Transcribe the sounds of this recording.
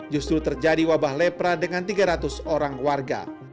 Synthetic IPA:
d͡ʒust̪ɾut̪ərd͡ʒadiwabahlɛpɾadəŋant̪iɡaɾat̪ʊsoɾaŋwarɡa̰

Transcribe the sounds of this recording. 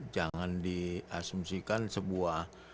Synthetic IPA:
d͡ʒaŋandiasumsikansəbuah

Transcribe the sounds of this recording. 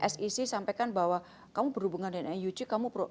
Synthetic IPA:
ʔɛsisisampakanbawa | kamubərhubuŋandanɛnjut͡ʃikamupɾo

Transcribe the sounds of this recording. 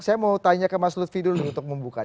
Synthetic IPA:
sajamaut̪aɲakanmaslʊt̪̚fidʊlɪunt̪ʊk̚məmbuka

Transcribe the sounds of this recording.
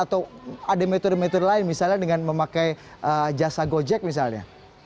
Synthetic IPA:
at̪awadamɛt̪ɔrmɛt̪ɔrlaɪnmisalɲadəŋanməmakaj | ʔəd͡ʒasaɡod͡ʒɛk̚mis̬alɲa̰

